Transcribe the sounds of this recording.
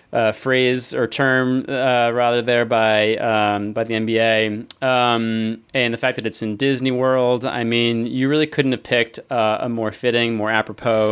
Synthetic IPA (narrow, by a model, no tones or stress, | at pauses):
ʔʌfɹeɪzə˞tʰɜ̃˞mʌɹæðə˞ðə˞baɪʌ̃baɪðiɛ̃nbieɪʌ̃mɨ̃nðɨfæk̚ðɨɾɨtsɨ̃ndɪzniwɜ˞lˠda̰ɪmĩnjɨɹɪlˠikʰʊdⁿn̩t̚ɨv̥pʰɪk̚tʌə̰mɔɹfɪɾɪ̃ŋmɔɹæpɹəpʰoʊ